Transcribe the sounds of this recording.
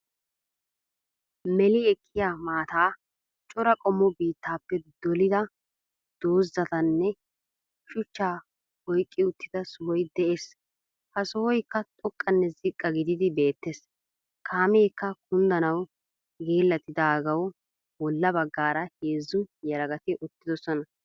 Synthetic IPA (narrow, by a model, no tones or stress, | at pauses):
mɛlɪɛkʰːɪjaːmaːt̪aː | t͡ʃʼɔɾɐkʼɔmːɔbiːt̪ːaːpːɛd̪̥ɔlɪd̪ɐ | d̪̥o̞ːzːɐt̪ɐnːɛ | ʃʊt͡ʃːaː | ɔjkʼːɪʊt̪ːɪd̪ɐsʊhɔjd̪ɛʔeːs | hɐsɔwɔjkːɐt̪ʼɔkʼːɐnːɛzɪkʼːɐɡɪd̪ɪd̪ɪbe̞ːt̪ːes | kʰaːmeːkːɐkʊnd̪ɐnɐw | ɡeːlːɐt̪ɪd̪aːɡɐw | wɔlːɐbɐɡːaːɾɐheːzːʊjɐɾɐɡɐt̪ɪʔʊt̪ːɪd̪ɔsɔnɐ